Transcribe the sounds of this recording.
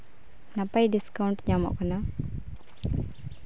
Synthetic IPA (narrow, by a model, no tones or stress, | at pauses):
nɐpːɐjɖiskɐwuɳʈɲaːmɔ̰ʔkɐna